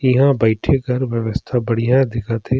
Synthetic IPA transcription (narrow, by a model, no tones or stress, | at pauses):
ɪɦãbɐɪʈʰekɐɾʋjəʋəst̪ʰabɐɽ̤ijãd̪ɪkat̪ʰẽ